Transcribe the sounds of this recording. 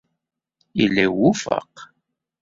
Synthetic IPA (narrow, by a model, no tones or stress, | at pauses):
ilːæwufə̰q